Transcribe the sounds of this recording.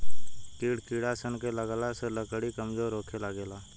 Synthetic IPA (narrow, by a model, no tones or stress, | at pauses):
kiːɽkiːɽasənkeləɡlaseləkɽikəmzoːɾoːkʰelaɡeːlaː